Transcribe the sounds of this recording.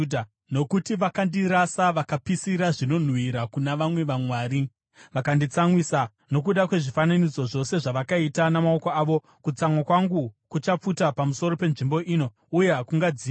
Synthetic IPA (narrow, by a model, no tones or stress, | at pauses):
dʱ | no̞kutiʋakandiɾasaʋakapisiɾaʐino̞n̤wiɾakunaʋamwe̞ʋamwaːɾi | ʋakandit͡saŋwisa | no̞k̬uɗakwe̞ʐifananid͡zo̞ʐo̞se̞ʐaʋakaitanamaokoaːʋo̞ | kut͡samwakwaŋɡukut͡ʃap͡futapamuso̞ɾo̞pe̞nʐimbo̞ʔiːno̞ | uje̞ɦakuŋɡad͡ziː